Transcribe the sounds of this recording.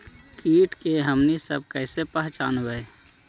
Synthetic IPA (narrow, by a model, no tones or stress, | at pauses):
kiːʈkeɦəmnisə̰b̚kəɪsepəɦt͡ʃaːnbəe